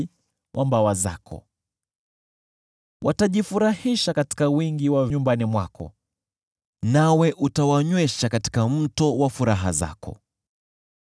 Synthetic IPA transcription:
wʔambawaza̰kʰɔ̰ | wʔataʄifuɾahiʃakati̥kawiŋɡiwaɲumbanimwakʰɔ̰ | nawɛʔutawaɲwɛʃakati̥kam̩tɔwafuɾaɦa̰za̰kɔ̰

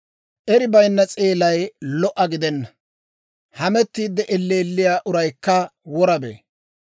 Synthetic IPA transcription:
ʔɛɾɪbɐjnːɐt͡sʼeːlɐjlɔʔɐɡɪd̪ɛnːɐ̥ | hɐmɛt̪ːiːd̪ːɛʔɛlːeːlːɪjaːʔʊɾɐjkːɐwɔɾɐbḛː

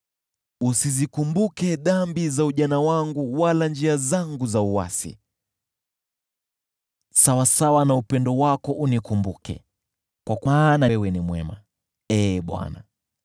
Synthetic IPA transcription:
usizikumbukɛɗambizauʄanawaŋɡuwaland͡ʒiazaŋɡuzauwa̰sḭ | sawasawanaupɛndɔwakɔʔunikumbukɛ̰ | kwakanawɛnimwɛ̰ma | ɛɓwa̰na̰

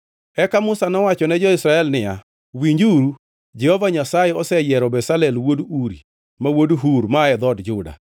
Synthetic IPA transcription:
ɛkamʊsanɔwat͡ʃɔnɛd͡ʒɔɪsɾaɛlnɪja | wiɲd͡ʒuɾu | d͡ʒɛhovaɲasajɛɔsɛjɛɾɔbɛsalɛlwoduɾi | mawodɦuɾmaɛd̪ɔdd͡ʒʊda̰

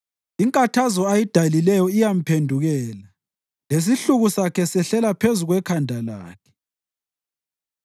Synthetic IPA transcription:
iŋkʼatʰazɔajid̥ʱalilɛjɔijam̩pʰendʱuɣɛːla | les̬iɬuɣusakʰɛsɛɬɛlapʰezuɣwɛkʰandʱala̰ːkʰɛ̥

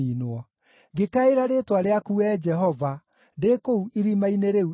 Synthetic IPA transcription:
inwɔ | ɡekaeɾaɾetwaɾeakuɛd͡ʒɛɦɔva | ndekouiɾimaineɾeu

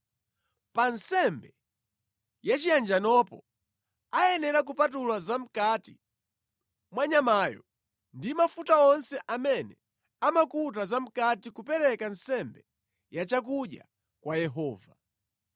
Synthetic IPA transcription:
pansɛmbɛ | jat͡ʃijand͡ʒanɔpɔ̰ | ajɛnɛɾak̬upatulwazam̩katḭ | mwaɲamajɔ̰ | ndimafutaɔnsɛʔamɛnɛ | amakut̬azam̩katikupɛɾɛkansɛmbɛ | jat͡ʃakuɗja̰ | kwajɛɦɔːva

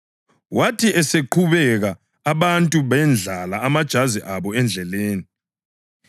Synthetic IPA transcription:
watʰiʔɛseǃʰuβɛɣaː | βantʼuβɛnd͡ɮʱalaːmad̥ʒ̥ʱaziʔaβɔɛnd͡ɮʱɛleːni

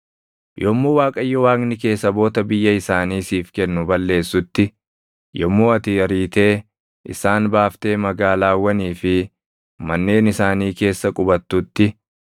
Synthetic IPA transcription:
jʔɔmːuːwaːkʼɐjːɔwaːknɪke̞ːsːɐbo̞ːt̪ɐbɪjːɐɪsaːniːsiːfkɛnːʊbɐlːe̞ːsːʊt̪ːɪ | jɔmːuːɐt̪ɪɐɾiːt̪e̞ː | ʔɪ̰saːnbaːft̪e̞ːmɐɡaːlaːwɐniːfɪ | mɐnːe̞ːnɪsaːniːke̞ːsːɐkʼʊbɐt̪ːʊt̪ːɪ

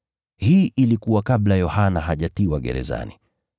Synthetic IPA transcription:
hiːʔilikuwakaɓlajɔhanahaʄatiwaɠɛ̰ɾɛ̰za̰ni

